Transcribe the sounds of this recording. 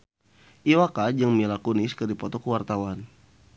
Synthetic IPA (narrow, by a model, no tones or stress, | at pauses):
ʔiwakad͡ʒaŋmənilakuniskədipɔt̪ɔkəwart̪awan